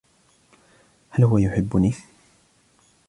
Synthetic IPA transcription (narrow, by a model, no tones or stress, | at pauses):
halhʊwajʊħɪbːʊni